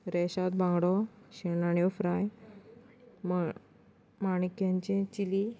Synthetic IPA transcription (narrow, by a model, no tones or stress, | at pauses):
ɾɛɕat̪̚bʱãŋɡɽɔɕenaɳjɔfɾaj | maɳikjaɲt͡ɕẽt͡ɕili